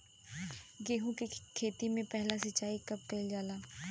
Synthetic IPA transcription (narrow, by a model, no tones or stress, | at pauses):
ɡeːɦũkikʰeːt̪imẽpɛɦlasɐt͡ʃːaːikɐb̚keld͡ʒaːlaː